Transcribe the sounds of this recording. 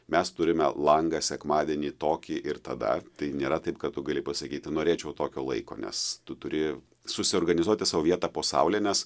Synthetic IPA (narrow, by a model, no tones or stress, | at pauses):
mʲɛst̪ʊɾʲɪmʲɛlˠɐŋɡɐsʲɛkmɑːd̪ʲiɛnʲiːt̪oːkʲiːʔɪrt̪ɐd̪ɐ̰t̪ɐɪnʲeːɾɐt̪ɐɪpkɐtt̪ʊɡɐlʲɪpɐsɐkʲiːt̪ʲɪnoːɾʲeːt͡ʃʲɛʊt̪oːkʲoːlˠɐ̰ɪko̰ːnʲɛ̰st̪ʊt̪ʊɾʲɪ | sʊsʲɪɔrɡɐnʲɪzuɔt̪ʲɪsɐʋoʋʲiɛt̪ɑpoːsɐ̰ʊlʲeːnʲɛs